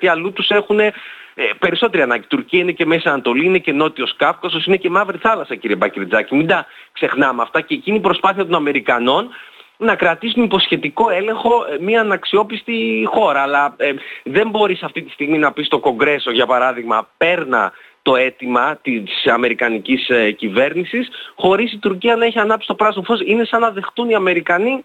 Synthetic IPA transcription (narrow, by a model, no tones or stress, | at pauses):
t̪iɐlut̪use̞xune̞pe̞ɾiso̞t̪e̞ɾiɐnɐ̃ɟit̪uɾciɐine̞ce̞me̞sɐnɐt̪o̞liine̞ce̞no̞t̪io̞skɐfkɐsosinece̞mɐvɾiθɐlɐsɐciɾie̞bɐciɾd͡zɐcimind̪ɐkse̞xnɐmeɐft̪ɐceːciniipɾo̞spɐθiɐt̪o̞nɐme̞ɾikɐno̞nnɐkɾɐt̪isunipo̞sçe̞t̪iko̞e̞le̞ŋxo̞miɐːnɐksio̞pist̪ixo̞ɾɐːlɐðe̞mbo̞ɾisɐft̪it̪i̥st̪iɣminɐpist̪o̞ko̞ŋɡɾe̞so̞ʝɐpɐɾɐðiɣmɐpe̞ɾnɐ̰ | t̪o̞e̞t̪imɐt̪isɐme̞ɾikɐnicisecive̞ɾnisisxo̞ɾisit̪uɾciɐnɐeçiɐnɐpisi̥t̪o̞pɾɐsmofo̞sine̞sɐnɐðe̞xθuniɐme̞ɾikɐni